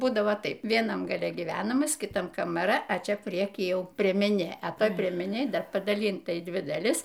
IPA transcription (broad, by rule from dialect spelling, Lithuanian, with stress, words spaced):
ˈbuːdɐʋoː ˈtɐɪp ʋʲiɛˈnɐm ɡɐˈlʲɛ ɡʲiːˈʋʲæːnɐmɐs kʲɪˈtɐm kɐmɐˈrɐ ɐ ˈt͡ʃʲɛ ˈpʲrʲiɛkʲiː ˈjɛʊ pʲrʲiɛmʲɛˈnʲeː ɐ ˈtoːj pʲrʲiɛmʲɛˈnʲeːj ˈdɐr pɐdɐˈlʲiːntɐ iː ˈdʲʋʲɪ dɐˈlʲɪs